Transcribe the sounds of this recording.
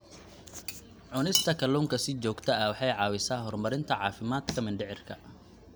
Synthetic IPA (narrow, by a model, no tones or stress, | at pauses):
ʕʊnɪst̪ʰɐkʰɐluːŋkʰɐsɪt͡ʃɔːɡt̪ʰɐɐwɑħɑjʕɑːwɪsaːɦɔrmɐɾɪnt̪ʰɐʕɑːfɪmaːd̪kʰɐmɪɳɖɪʕɪrkʰɐ